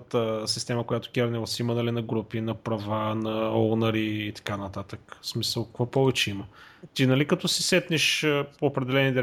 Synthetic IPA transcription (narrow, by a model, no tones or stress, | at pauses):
t̪əsist̪ɛməkojat̪ʊ̥kʲɛɾnɛlˠsimɐnɐlinɐɡɾupinɐpɾɐvanɐɔnɐɾiːt̪ɐ̥kanɐt̪at̪əksmisəlˠkɐ̥kvɔpɔvɛt͡ʃɛimə | t̪inɐlikɐt̪ɔsi̥sɛt̪niʃəpoːpɾɛd̪ɛlɛnid̪ɛ